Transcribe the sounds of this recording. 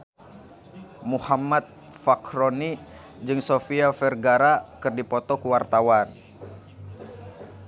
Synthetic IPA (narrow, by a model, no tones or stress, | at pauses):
muhamat̪̚ | fakɾoni | d͡ʒɨŋsofiafɛrɡaɾakɨrdipɔt̪ɔkuwart̪awan